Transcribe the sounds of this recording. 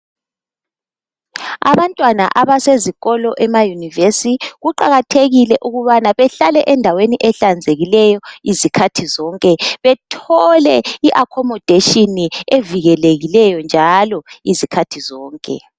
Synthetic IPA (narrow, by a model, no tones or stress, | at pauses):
a̰βantʼwana̰ʔaβaseziɣɔlɔʔɛmajunivesiɣuǃa̰ɣatʰeɣilɛʔuɣuβanaβɛɬalɛʔɛndʱaweniʔɛɬand͡zʱeɣilɛjɔizikʰatʰizɔːŋkʼɛβɛtʰɔlɛiʔakʰɔmɔd̥ʱeʃinieviɣɛleɣilɛjɔnd͡ʒʱalɔizikʰatʰizɔːŋkʼɛ̰